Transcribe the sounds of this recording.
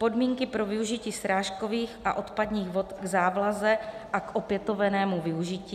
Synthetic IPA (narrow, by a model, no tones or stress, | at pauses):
po̞dmiːŋkɪpɾo̞vɪuʒɪciːsɾaːʃko̞viːxʔa̰ʔo̞t̪padɲiːɣvo̞t̪ɡzaːblazɛʔako̞pjɛt̪o̞vɛnɛːmuvɪuʒɪciː